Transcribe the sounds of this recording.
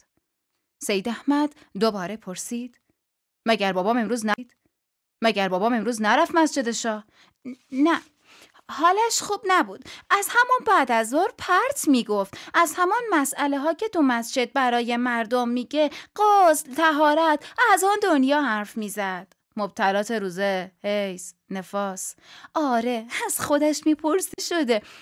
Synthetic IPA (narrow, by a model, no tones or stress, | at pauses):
sejd̪æhmæd̪̥ | d̪obɒːɾe̞pʰoɾsiːd̪̥ | mæɟæɾbɒːbɒːme̞mɾuːznæd̪̥ | mæɟæɾbɒːbɒːme̞mɾuːznæɾæfmæsd͡ʒe̞d̪e̞ʃɒːh | næ | hɒːlæʃxuːbnæbuːd̪̥æzhæmɔnbæːd̪æzoɾpʰæɾt̪ʰmiːɡoft̪æzhæmɔnmæsʔæleɦɒːcʰe̞t̪ʰumæsd͡ʒe̞d̪̚bæɾɒːje̞mæɾd̪omːiːɟeɢɒslt̪ʰæɦɒːɾæt̪ʰʔæzɒːnd̪onjɒːhæɾfmiːzæd̪̥ | mob̥̚t̪ʰælɒːt̪ʰeɾuːzehejs | ne̞fɒːsʔɒːɾeæz̥xo̞d̪æʃmiːpʰoɾsiʃod̪e